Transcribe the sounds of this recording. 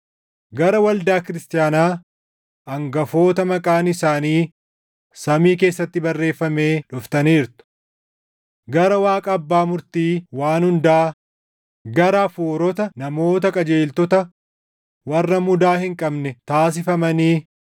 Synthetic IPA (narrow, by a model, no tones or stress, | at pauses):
ɡɐɾɐwɐld̪aːkɪɾɪst̪ɪjaːnaː | ʔɐŋɡɐfo̞ːt̪ɐmɐkʼaːnɪsaːniː | sɐmiːke̞ːsːɐt̪ːɪbɐrːe̞ːfːɐme̞ːᶑʊft̪ɐniːɾt̪ʊ̥ | ɡɐɾɐwaːkʼɐːbːaːmʊɾt̪iːwaːnhʊnd̪ɐaː | ɡɐɾɐfoːɾɔt̪ɐnɐmo̞ːt̪̬ɐkʼɐd͡ʒe̞ːlt̪ɔt̪ɐ | wɐrːɐmʊd̪aːhɪŋkʼɐbnɛt̪aːs̬ɪfɐmɐniː